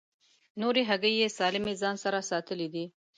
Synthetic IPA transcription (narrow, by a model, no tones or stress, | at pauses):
noɾeɦaɡəjːesɑlɪmezɑnsaɾasɑt̪əlid̪i